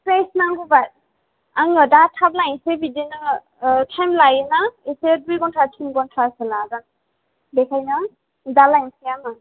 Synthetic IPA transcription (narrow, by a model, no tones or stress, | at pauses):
pɾesnaŋɡubat̚ | aŋɯdatʰablajnsebidinɯ | tʰajmlajɯnaeseduiɡɔntʰɾatʰinɡɔntʰɾasɯlaɡan | bekʰajnɯ | dalajnsiama